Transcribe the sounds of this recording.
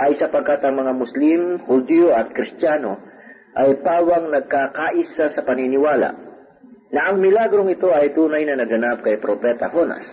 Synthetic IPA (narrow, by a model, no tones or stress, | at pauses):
ʔɐjsɐpɐɡ̚kat̪ɐŋmɐŋamʊslɪmhʊd̪ijoʔɐt̪̚kɾɪst̪jaːno | ʔɐjpaːwɐŋnɐɡ̚kakaːʔɪsasɐpɐnɪnɪwaːla̰ʔ | nɐʔɐŋmɪlaɡɾoŋɪt̪o̞ʔɐjt̪uːnɐjnɐnɐɡɐnap̚kɐjpɾopɛt̪ɐhona̰s